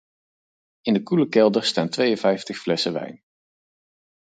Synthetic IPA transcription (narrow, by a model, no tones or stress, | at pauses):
ɪndəkuləkɛlˠdəɹstaːntʋejənvɛjftəχflɛsəʋɛ̰jn